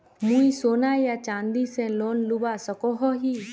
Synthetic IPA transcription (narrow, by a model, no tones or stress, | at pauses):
mũisoːnajat͡ʃãːnd̪isẽloːnlubasəkoɦɔɦiː